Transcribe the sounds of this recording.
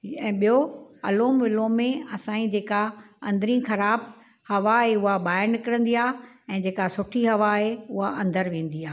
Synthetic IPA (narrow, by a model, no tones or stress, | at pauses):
ɛ̃ːɓijoɐloːmʋɪlomẽɐsãːĩd͡ʑeːka | ɐ̃nd̪ɾĩxɐɾaːb | hɐʋaɦeʊɦabaːɪɾnɪkɪɽə̃nd̪iaː | ɛ̃ːd͡ʑeːkasʊʈʰiɦɐʋaɦeʊɦaʔɐ̃nd̪əɾʋẽːn̆d̪iaː